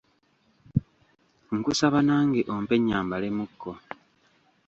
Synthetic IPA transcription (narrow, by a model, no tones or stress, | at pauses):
ŋkusaβanaːŋɡeʔompe̞ɲːaːmbalemukːo